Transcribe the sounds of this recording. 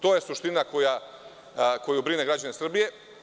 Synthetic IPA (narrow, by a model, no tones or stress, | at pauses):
t̪o̞ːje̞suʃt̪inako̞ja | ko̞jubɾine̞ɡɾad͡ʑanesr̩bije̞